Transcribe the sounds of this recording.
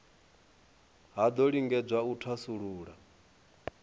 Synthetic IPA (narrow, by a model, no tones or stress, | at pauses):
ɦad̪ɔɺiŋɡɛd͡zwautʰasuɺuːɺa